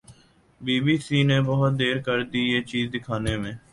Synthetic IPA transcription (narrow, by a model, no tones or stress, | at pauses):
biːbiːsiːneːbəɦʊt̪̚d̪eːɾkəɾd̪iːjeːt͡ʃiːzd̪ɪkʰaːneːmẽː